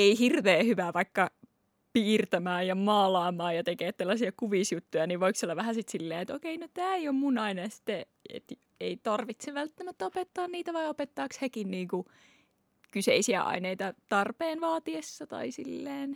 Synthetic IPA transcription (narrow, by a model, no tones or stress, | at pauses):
eihirʋeːhyʋæʋɑikːɑ | piːrt̪æmæːjjɑmɑːlɑːmˑɑːjɑt̪ekeːt̪selːɑsiɑkuʋisjut̪ːujɑniʋʋoiksolːɑʋʋæhæsit̪silːeːet̪okeinot̪æːeijommunɑinɑjɑsi̥t̪ːe | ḛt̪ | eit̪ɑrʋit̪seʋælt̪ːæmæt̪ːæopet̪ːɑːnniːt̪æʋɑiopet̪ːɑːkshekinniːŋku | kysḛisiæ̰ʔɑ̰ineit̪ɑt̪ɑrpeːnʋɑːt̪iesːɑt̪ɑ̰isḭlːeːn